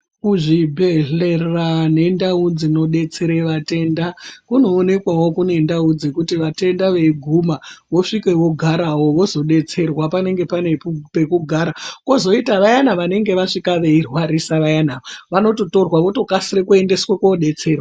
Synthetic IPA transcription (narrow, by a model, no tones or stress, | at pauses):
kuʐibʱeɮerrane̞ndaud͡zino̞ɗe̞t͡seɾeʋate̞ndakuno̞ːne̞kwawo̞kune̞ndaud͡zekutiʋate̞ndaʋe̞ɡʱumaʋo̞ʂike̞ʋo̞ɡʱaɾawo̞ʋo̞zo̞ɗe̞t͡se̞rwapane̞ŋɡe̞pane̞pupe̞kuɡʱaːɾako̞zo̞itaʋajanaʋane̞ŋɡe̞ʋaʂikaʋe̞irwaɾisaʋajanaʋaʋano̞toto̞rwaʋoto̞kasiɾekue̞nde̞swakoɗe̞t͡se̞ːrwa